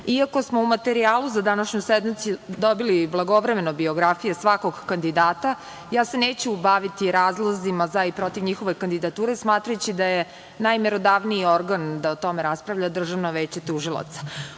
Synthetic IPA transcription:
iako̞smo̞umat̪eɾiaːlˠuzad̪anaʃɲujsed̪mit̪sjud̪obiliblˠaɡo̞ʋɾe̞me̞nobio̞ɡɾafijesʋako̞ɡkand̪id̪aːt̪a | jaːse̞neːt͡ɕubaʋit̪iɾaːzlˠazimazaipɾo̞t̪iʋɲixo̞ʋe̞kand̪id̪at̪uːɾe̞smaːt̪ɾajut͡ɕid̪aje | najmeɾo̞d̪aʋniio̞ɾɡand̪aot̪o̞meɾaspɾaʋʎad̪r̩ʒaʋno̞ʋet͡ɕet̪uʒilˠa̰t̪sḁ

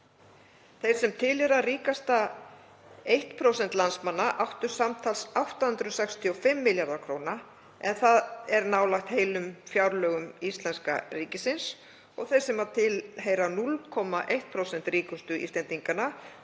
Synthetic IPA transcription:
θejɾ̥sɛmt̪ʰɪlɛɾaðriːkast̪a | ejht̪pʰɾowsɛnt̪lansmanːaʔawht̪ʏɾ̥samt̪ʰalsawht̪ahʏnt̪ɾʏsɛkst̪ʰiɔfɪmːɪljaɾðaɾkʰɾowna | ɛnθaðɛɾnaːwlaxt̪heːjlʏmfjawɾlœːɣʏmist̪lɛnska̰riːcɪsɪns | ɔɣθejsɛmaðt̪ʰɪlɦeːjɾanulkʰɔmaʔejht̪̚pʰɾowsɛnt̪riːkʏst̪ʏʔḭst̪ɛnt̪iŋkana

